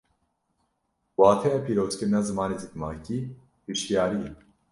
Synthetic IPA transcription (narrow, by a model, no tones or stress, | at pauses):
waːt̪ʰɛjɛpʰiːɾoːzkɨɾnaːzɨmaːnizikmaːciː | hiʃjaːɾi